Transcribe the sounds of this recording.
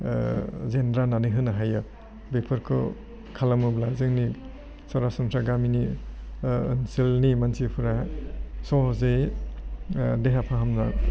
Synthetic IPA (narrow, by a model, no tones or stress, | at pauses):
zendɾananɯɦɯnaɦajɯ | bepʰɯɾkʰɯ̰ | kʰalamublazɯŋni | sɔɾasɔŋtɾaɡamini | ɯnsilnimansipʰuɾasɔzej | deɦapʰaɦamna